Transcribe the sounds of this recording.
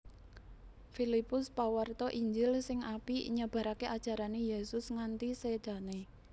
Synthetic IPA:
filipʊspawərt̪ɔʔiɲd͡ʒɪlsɪŋapiɲəb̥ä̤ɾakeʔad̥ʒ̥a̤ɾanejesʊsŋant̪ised̪̥ä̤ne

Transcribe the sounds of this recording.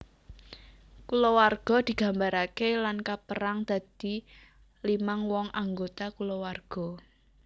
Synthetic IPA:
kulowarɡ̥ɔ̤d̪̥i̤ɡ̥a̤mbaɾakelankapəɾaŋd̪̥a̤d̪̥i̤ | limaŋwɔŋaŋɡot̪akulowarɡ̥ɔ̤

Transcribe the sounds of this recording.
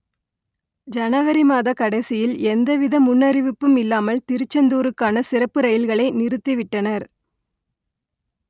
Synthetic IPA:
d͡ʒɐnɐʋɐɾimaːðɐkɐɽɐɪsɪjɪlɛnd̪ɐʋɪðɐmʊnːɐɾɪʋɪpːɯmɪlːaːmɐlt̪ɪɾɯt͡ʃːɐnd̪uːɾɯkːaːnɐsɪrɐpːɯɾɐjɪlɣɐɭɐɪnɪrɯt̪ːiʋɪʈːɐnɐɾ

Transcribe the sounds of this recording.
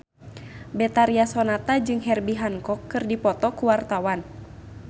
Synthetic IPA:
bɛt̪aɾiasɔnat̪ad͡ʒɨŋɦɛrbiɦaŋkɔkːɨrdipɔt̪ɔkuwart̪awan

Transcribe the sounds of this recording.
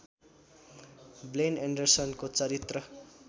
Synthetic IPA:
bleneɳɖʌrsʌnkot͡sʌɾit̪rʌ

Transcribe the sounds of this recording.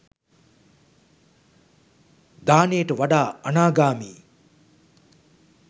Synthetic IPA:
d̪aːnejəʈəʋaɖaːɐnaːɡaːmiː

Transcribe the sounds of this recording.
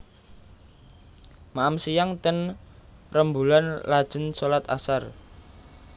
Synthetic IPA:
maamsijaŋt̪ən | rəmbulanlad̥ʒ̥ə̤nsolat̪a̰sar

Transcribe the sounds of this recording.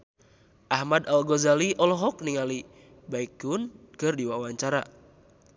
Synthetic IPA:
ʔahmadalɡɔzaliʔɔlɔɦɔk̚niŋali | baikʊnkɨrdiwawaɲt͡ʃaɾa̰

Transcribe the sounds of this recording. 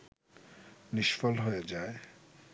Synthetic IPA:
niʃfolɦoed͡ʑae

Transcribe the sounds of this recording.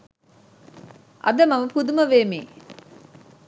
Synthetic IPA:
ʔɐ̰d̪əmɐmɐpud̪uməʋeːmḛː

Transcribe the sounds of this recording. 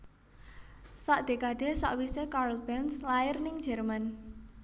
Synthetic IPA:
saʔd̪̥e̤kad̪̥e̤sa̰ʔwisekaɾlb̥ɛnslaɪrnɪŋd͡ʒɛrman

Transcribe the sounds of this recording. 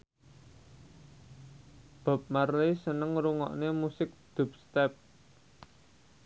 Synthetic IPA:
b̥a̤p̚marlisənəŋɾuŋɔ̰ʔnemusɪk̚d̪̥ṳp̚st̪ɛp̚

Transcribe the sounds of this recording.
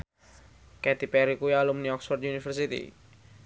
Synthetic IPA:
kɛt̪ipɛɾikujalumniɔksfɔrd̪junifərsit̪ḭ

